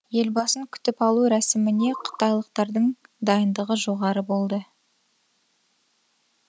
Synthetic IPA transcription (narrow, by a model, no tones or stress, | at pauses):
je̞lbɑsəŋkʲʰʏ̥t̪ɪpɑlˠuɾæsɪmɪne̞qʰə̥t̪ɑjlˠəq̚t̪ɑɾd̪əɴd̪ɑjənd̪əʁəʒo̞ʁɑɾəbo̞lˠd̪ə